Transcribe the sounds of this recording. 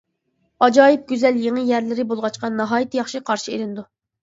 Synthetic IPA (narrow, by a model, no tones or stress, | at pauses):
ɑd͡ʒɑːjip̚ɡʲyzɛljeŋɨjæɾlɪɾɪbolˠʁɑt͡ʃqɑnɑɦɑːjit̪ʰjɑχʃiqʰɑɾʃieɾɪnd̪u